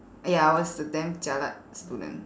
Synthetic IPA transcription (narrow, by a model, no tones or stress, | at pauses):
ajaawɔstətɛ̃mt͡ʃala̰t̚st̪udə̰̃n